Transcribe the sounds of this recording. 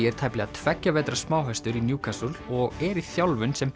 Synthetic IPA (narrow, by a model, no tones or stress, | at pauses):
ɛɾ̥t̪ʰajplɛɣat̪ʰvɛcːavɛːt̪ɾasmaːwɦast̪ʏɾinjuːkʰasɔlɔɣɛɾiθjawlvʏnsɛm